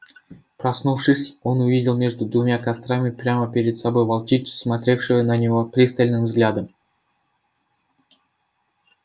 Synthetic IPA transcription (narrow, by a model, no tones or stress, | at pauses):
prɐsnufʂɨsʲo̞nʊvʲidʲɪlˠmʲe̞ʐd̪ʊd̪vʊmʲakɐst̪ɾamʲɪpɾʲaməpʲeɾʲɪd̪sɐbo̞jvɐlˠt͡ʃitʲsmɐt̪ɾʲe̞fʂɨjənɐnʲɪvo̞pɾʲist̪əlʲnɨmvzɡlʲad̪əm